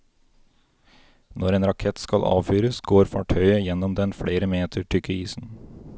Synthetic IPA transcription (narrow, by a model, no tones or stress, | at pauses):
nʔɔɾeːnɾɑkʰɛt̪skɑlʔɑ̰ːʋfyːɾəsɡoːɾfɑʈʰœʏəjɛnɔmd̪ɛnfɽeːɾəmeːt̪ʰəʈʰʏkʰɪiːsn̩